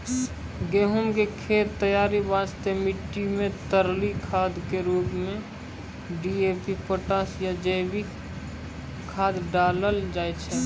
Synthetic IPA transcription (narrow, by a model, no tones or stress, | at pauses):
ɡeːɦʊmkekʰeːt̪t̪ːəjaːɾibãːd͡ʒt̪emɪʈːimẽt̪əɾlikʰaːd̪keɾuːbmẽ | ɖiepipoʈãːsjad͡ʒeːbi | kʰaːd̪ɖaːləld͡ʒaːet͡ʃʰɛ